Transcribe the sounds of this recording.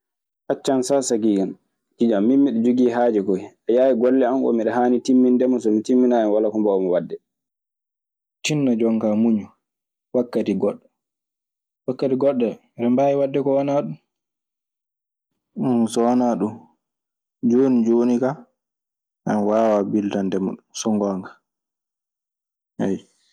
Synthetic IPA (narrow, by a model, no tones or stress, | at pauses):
ʔat͡ʃːansasaɡiɡan | kid͡ʒamːinːiɗɔd͡ʒuɡiːɦaːd͡ʒɛkɔiʔajaːwiɡɔlːɛamʔɔ̰miɗɛɦaːnitimːindɛmɔsɔmitimːinajɛnwalakɔmbɔwmɔwadːɛ | t͡ʃinːad͡ʒɔŋkamuɲu | wakːatiɡɔɗːɛ | wakːatiɡɔɗːɛ | ɾɛmbajiwadːɛkɔwanaɗum | unsɔwanaɗum | d͡ʒoːnid͡ʒoːnika | ʔanwaːwabiltandɛmṵɗunsɔŋɡɔŋkḁ | hɛj